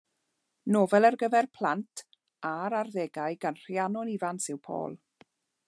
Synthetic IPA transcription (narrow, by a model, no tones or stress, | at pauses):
noːvɛlˠərɡəvɛrpʰl̥ˠantʰ | aɾarðeːɡajɡanr̥janɔnivansɪwpʰo̰ːlˠ